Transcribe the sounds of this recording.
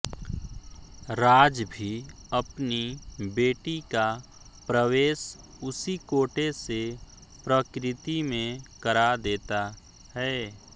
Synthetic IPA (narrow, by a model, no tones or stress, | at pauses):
ɾaːd͡ʒbʱi | ɐpnibeːʈika | pɾəʋeːʃ | ʊsikoːʈese | pɾəkɾɪt̪imẽkəɾad̪eːt̪a | hɛː